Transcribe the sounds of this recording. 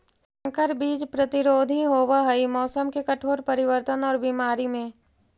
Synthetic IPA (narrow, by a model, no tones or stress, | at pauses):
sɐ̃ŋkəɾbiːd͡ʒpɾɐt̪ɪɾoːd̪ʱiɦoːwaɦɐimɔːsəmkekɐʈʰoːɾpɐɾɪʋəɾt̪ənɔːɾbiːmaːɾimẽː